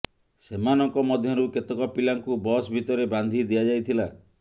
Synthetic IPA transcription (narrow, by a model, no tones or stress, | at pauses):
semanɔŋkɔmɔd̪ʱjɔɾuket̪ɔkɔpilaŋkubɔsbʱit̪ɔɾeband̪ʱid̪iad͡ʒajt̪ʰila